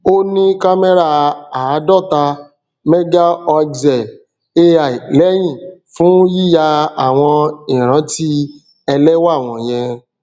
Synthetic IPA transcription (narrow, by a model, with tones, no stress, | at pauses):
o˦nĩ˦ka˦me˦ɾa˦˨˧a˨˦dɔ˦˨ta˧ | mɛ˦ɡa˦ɔ˧zɛ˨ | e˦a˨i˨lɛ˦j̃ĩ˦˨fũ˦ji˦˨ja˧a˨w̃ɔ̃˧ĩ˨ɾ̃ã˨˦ti˦ | ɛ˧lɛ˦wa˦˨w̃ɔ̃˧˨jɛ̃˧